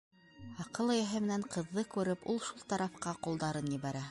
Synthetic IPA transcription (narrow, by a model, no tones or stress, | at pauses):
ɑqɤlˠɤ̆jæɦɘmɘ̆næɴqɤ̆ðːɤkʉɾɘpulˠʃulˠt̪ɑɾɑfqɑqulˠd̪ɑɾɤnjɘ̆βæɾæ